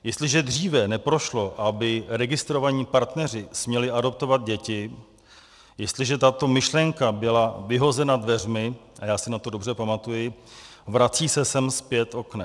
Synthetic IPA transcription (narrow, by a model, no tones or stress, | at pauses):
jɛst̪lɪʒɛdr̝iːvɛnɛpɾo̞ʃlo̞ʔabɪɾɛɡɪst̪ɾo̞vaɲiːpaɾt̪nɛr̝ɪsmɲɛlɪʔado̞p̚t̪o̞vad̪̚ɟɛcɪ | jɛst̪lɪʒɛt̪at̪o̞mɪʃlɛŋkabɪlavɪɦo̞zɛnadvɛr̝mɪ | ʔajaːsɪnat̪o̞dobr̝ɛpamat̪ujɪvɾat͡siːsɛsɛmspjɛt̪ʔo̞knɛ